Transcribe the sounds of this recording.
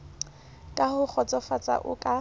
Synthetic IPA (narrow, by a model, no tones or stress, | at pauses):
kʼahʊk͡xʰɔt͡sʼɔfat͡sʼa̰ʔʊ̰kʼa